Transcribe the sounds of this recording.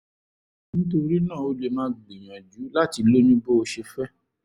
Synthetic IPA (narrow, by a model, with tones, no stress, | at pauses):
nĩ˦to˧ɾi˦nã˦˨o˦le˧nã˦ɡ͡bli˨j̃ã˨d͡ʒu˨˦la˦˨ti˧lo˦nĩ˦bo˦o˧ʃe˧fɛ˦